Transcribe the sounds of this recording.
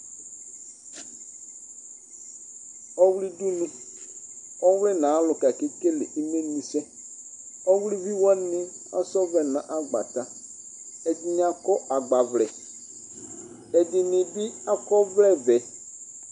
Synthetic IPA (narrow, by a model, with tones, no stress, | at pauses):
ɔ˦wli˦du˦nɪ˦ | ɔ˦wlɛ˦nã˨˦lʊ˨ka˨ke˦ke˦lɪ˨ʔi˦me˦nĩ˨sɛ˦ | ɔ˦wli˦vi˦wa˦nɪ̃˦ | a˦sɔ˦vɛ˨nã˨ʔa˦ɡ͡ba̰˨ta˦ | ɛ˨dɪ˦˨nɪ˦a˦kɔ˦ʔa˨ɡ͡ba˨vlɛ˨ | ɛ˨dɪ˨nɪ̃˨bɪ˦a˦kɔ˦vlɛ˦˨vɛ˨